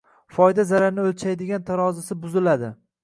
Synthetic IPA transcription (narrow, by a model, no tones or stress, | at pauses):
fɒjd̪azaɾaɾnɪolt͡ʃʰajd̪ɪɡʲant̪ʰaɾɒzasɪbʊzɪlad̪ɪ